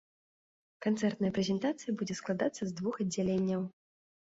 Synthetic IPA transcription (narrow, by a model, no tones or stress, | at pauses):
kant̪sɛrt̪nɐjɐpɾʲɛzʲɛnt̪at̪sɨjɐbud͡zʲɛsklˠad̪at̪sːɐzd̪vuxɐdd͡zʲːalʲenʲːɐw